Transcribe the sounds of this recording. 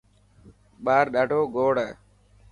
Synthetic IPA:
ɓaːɾɗaːɖʱoːɡoːɽ

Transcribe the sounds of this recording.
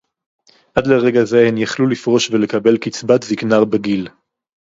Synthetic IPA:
ʔadleʁe̞ɡaze̞hemjaχlulifʁo̞ʃvele̞kabe̞lkit͡sbat̪ziknaʁbeɡil

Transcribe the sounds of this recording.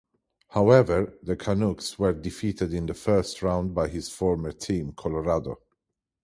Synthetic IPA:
haʊɛvəɹðəkʰanukswə˞dɪfitɨdɪ̃nðəfɜ˞stɹãʊ̃nd̚baɪɪz̥fɔɹmə˞tʰĩmkʰɔlɔɹado

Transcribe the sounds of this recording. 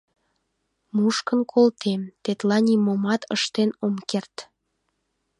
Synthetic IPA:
muʃkənkʰolt̪ʰemt̪et̪lɑnʲimomɑt̪əʃt̪enomkert̪

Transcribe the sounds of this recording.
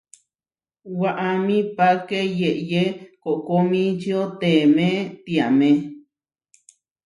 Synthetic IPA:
waʔamĩpakejeʔjekoʔkomĩt͡ʃiot̪emẽt̪iamẽ

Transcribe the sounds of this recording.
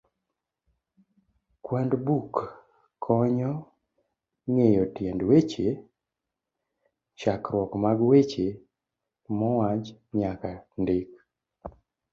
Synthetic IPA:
kwandbuk | kʰɔɲɔ | ŋejɔtjɛndwet͡ʃe | ʃakɾwɔkmaɡwet͡ʃe | mɔwat͡ʃɲakandek

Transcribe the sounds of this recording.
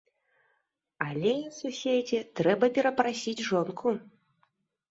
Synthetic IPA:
alʲɛususʲed͡zʲɛt̪ɾɛbɐpʲɛɾɐpɾasʲid͡zʲʐɔnkʰu

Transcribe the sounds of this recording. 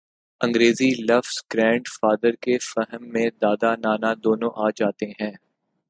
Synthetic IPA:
ɐ̃ŋɡɾeːzilɐfsɡ̥ɾɛ̃ːɳɖfaːd̪əɾkefɛɦəmːẽd̪aːd̪anaːnad̪oːnõʔaːd͡ʒaːt̪eɦɛ̃ː

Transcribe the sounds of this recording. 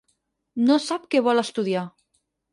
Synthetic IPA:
nosap̚keβ̞ɔləst̪uðia

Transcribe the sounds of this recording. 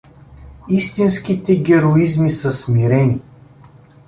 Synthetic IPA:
ist̪insk̟it̪ɛɡʲɛɾoizmisəsmiɾɛni

